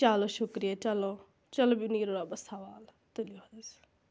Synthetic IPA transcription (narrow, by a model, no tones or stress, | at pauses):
t͡ʃaːloːʃʊkɾijaːt͡ʃəloː | t͡ʃəloːbiʊniːɾoːɾaːbəsʰaʋaːl | t̪əlioad̪es